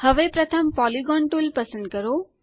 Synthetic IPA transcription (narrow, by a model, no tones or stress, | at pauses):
həʋepɾɐt̪ʰəmpɔliɡɔːɳʈulpəsə̃nd̪̚kəɾoː